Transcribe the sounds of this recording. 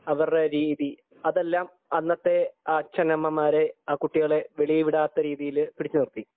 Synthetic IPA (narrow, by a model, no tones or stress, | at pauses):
ɐʋɐrɽeɾiːði | ɐðe̞lːaːm | ɐnːɐt̪ːe̞aːt͡ɕʰɐnɐmːɐmaːɾe̞aːkuʈːiɣɐɭe̞ʋeɭijeʋiɽaːt̪ːɐɾiːðijilpiɽit͡ɕːunirt̪i